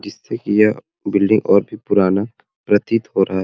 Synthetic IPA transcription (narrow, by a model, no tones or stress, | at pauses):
d͡ʒɪsːekijɐ | bɪlɖɪ̃ŋɡɔːɾbʱipʊɾaːna | pɾɐt̪it̪ɦoːɾʔɐɦaɦ